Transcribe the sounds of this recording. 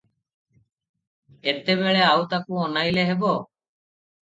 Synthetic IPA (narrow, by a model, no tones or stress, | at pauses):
et̪eβeɭeawt̪akuɔnajleɦebo